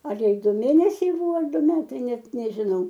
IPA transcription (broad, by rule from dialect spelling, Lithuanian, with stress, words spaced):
ˈɐr ˈjɛɪ ˈdʊ ˈmʲeːnʲɛsʲɛɪ ˈbʊʋoː ɐr ˈdʊ ˈmʲæːtɐɪ ˈnʲɛt nʲɛʒʲɪˈnɐʊ